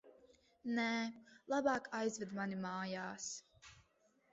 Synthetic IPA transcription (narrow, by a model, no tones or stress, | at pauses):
nɛːlˠabɑːkʰajzvɛd̪manimaːjaːs